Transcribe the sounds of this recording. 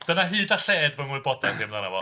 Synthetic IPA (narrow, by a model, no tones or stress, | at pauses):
d̥ənaɦɨːdaɬeːdvɔnʊbɔdandɪmðanavɔ̰